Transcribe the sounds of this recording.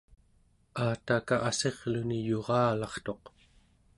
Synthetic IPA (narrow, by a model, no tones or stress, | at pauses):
aːt̪akaʔase̞ʁlunijo̞ʁɑːlɑχt̪o̞q